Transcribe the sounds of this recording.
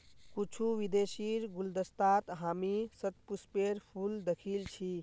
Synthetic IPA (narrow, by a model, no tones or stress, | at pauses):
kut͡ʃʰuʋid̪esiɾɡuld̪əst̪at̪ɦamisət̪̚puspeɾpʰuld̪ekʰilt͡ʃʰi